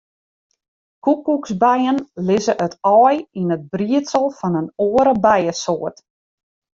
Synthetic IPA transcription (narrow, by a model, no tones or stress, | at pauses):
kukːuksbɛjənlɪzəʔətɔːjinəd̚briətsəlˠfɑnənoəɾəbɛjəsoərt